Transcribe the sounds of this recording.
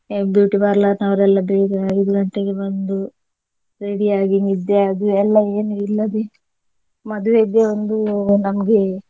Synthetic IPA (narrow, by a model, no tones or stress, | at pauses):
bjuːʈibaːɾlaːɾnɐʋɐɾɛlːɐbeːɾeaːɡid̪uɐɳʈeɡebond̪u | ɾeɽiaːɡiŋid̪ːe̞ɐd̪uɛlːɐeːnuilːɐd̪e̞ | mɐd̪uʋeid̪eond̪unɐmɐɡe̞